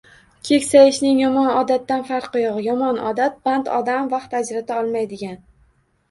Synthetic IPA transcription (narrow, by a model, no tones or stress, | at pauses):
kʲʰe̞kʲsajɪʃnɪŋjɒmɒnɒd̪at̪ːanfaɾqːʊjɒʁjɒmɒnɒ̰d̪at̪̚b̥ant̪ɒ̰d̪amvaχt̪ad͡ʒɾat̪ʰaɒlˠmajd̪ɪɡʲan